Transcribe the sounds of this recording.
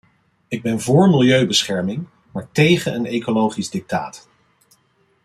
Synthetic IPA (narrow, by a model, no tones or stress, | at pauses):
ɪɡ̚bɛnvʊːɹmɪlˠjøɥbəsχɛɹmɪŋ | maːɹtejχənənejkolowχizdɪk̚ta̰ːt